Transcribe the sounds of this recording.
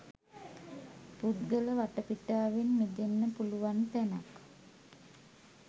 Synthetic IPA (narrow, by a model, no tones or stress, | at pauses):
pud̪ɡələʋaʈəpiʈaːʋenmid̪enːəpuluʋant̪æna̰k